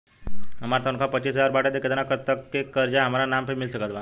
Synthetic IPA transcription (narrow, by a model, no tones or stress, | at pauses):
ɦəmat̪ənkʰapət͡ɕiːsɦəd͡zaɾbaʈət̪eket̪anakət̪əkːekːəɾd͡ʑaɦəmaɾanampʰemilsəkət̪ʋa